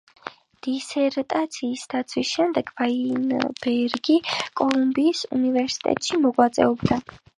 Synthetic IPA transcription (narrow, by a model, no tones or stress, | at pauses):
d̪̥isɛɾt̪ʼat̪sʰiːsd̪at̪sʰwisʃɛmd̪ɛɡvainb̥ɛɾɡikʼɔlˠumbiːsṵnivɛɾsi̥t̪ʼɛ̰t̪ʼʃimɔɡwat̪sʼɛ̰ɔbd̪a